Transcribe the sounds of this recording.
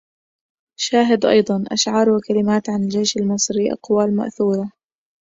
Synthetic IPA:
ʃaːɦɪd̪ʔɑ̰jd̪ˤɑnʔa̰ʃʕɑːɾˤwakalɪmaːt̪ʕanɪld͡ʒejʃalmɨsˤɾiːʔɑ̰qwaːlma̰ʔθuːɾˤɑ

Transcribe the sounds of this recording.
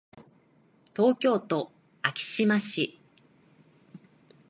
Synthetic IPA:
t̪o̞ːkʲo̞ːt̪o̞ | akʲi̥ɕimaɕi

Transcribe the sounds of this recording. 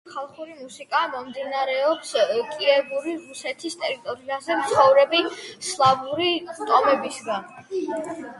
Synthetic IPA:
χalˠχuɾimusikʼamɔmd̪inaɾɛɔpskʼiɛbuɾiɾusɛt̪ʰist̪ʼɛɾit̪ʼɔɾiazɛmt̪sʰχɔvɾɛbislˠabuɾit̪ʼɔmɛbisɡan

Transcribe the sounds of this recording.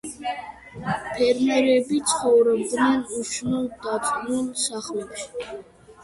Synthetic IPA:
pʰɛɾmɛɾɛbit̪sʰχɔvɾɔb̚d̪nɛnuʃnuld̪at̪ʼɡnulsaχlɛbʃ

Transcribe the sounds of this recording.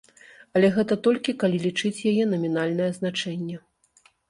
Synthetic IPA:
ɐlʲɛɣɛt̪ɐt̪ɔlʲkʲikalʲilʲit͡ʂɨt͡sʲjajɛnɐmʲinalʲnɐjɛznat͡ʂɛnʲːɛ

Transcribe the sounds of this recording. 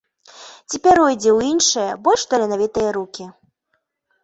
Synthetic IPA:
t͡sʲipʲɛɾɔjd͡zʲɛwjinʂɨjɐbɔlʲʂt̪ɔlʲɛnavʲit̪ɨjɐɾukʲi

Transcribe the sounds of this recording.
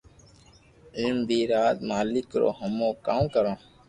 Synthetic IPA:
ɪlmbʱiːɾaːt̪maːlɪkɾo̰ːɦəmõːkaːmkəɾõː

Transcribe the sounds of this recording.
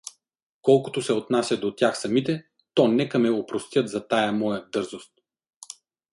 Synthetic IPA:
kɔlˠkʊ̥t̪osɛot̪nasʲjɐd̪ot̪ʲjaxsɐmit̪ɛ | t̪ɔnɛkɐmɛopɾost̪ʲjət̪zɐt̪ajɐmɔjəd̪ɤɾzost̪̚

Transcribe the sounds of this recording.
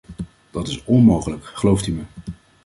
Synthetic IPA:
d̥ɑtɪsɔnmowχələkχəlowftymə

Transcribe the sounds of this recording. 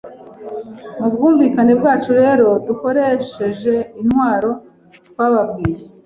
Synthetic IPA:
mubɡuːɱviːkane̞bɡaːt͡ʃuɾe̞ːɾo̞duko̞ɾe̞ʃe̞ʒe̞inwaːɾo̞ | twaːβabɡiːje

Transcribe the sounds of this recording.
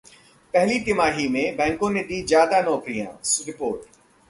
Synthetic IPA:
pɛɦlit̪ɪmaːɦimẽbɛ̃ːŋkõned̪izjaːd̪anɔːkɾijã̰ːsɾɪpoːɾʈ

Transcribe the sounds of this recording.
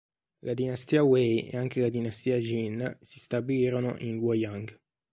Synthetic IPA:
lad̪inast̪iːawɛjḛaŋkelad̪inast̪iːad͡ʒinsi̥st̪abiliːɾono̰ʔinwɔjaŋɡ

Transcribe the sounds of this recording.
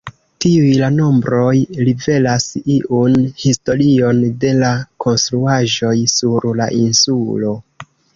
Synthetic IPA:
tiujlano̞mbɾo̞jlive̞lasiʔunhisto̞ɾio̞nde̞lako̞nstɾuaʒo̞jsuɾla̰ʔinsulo̞

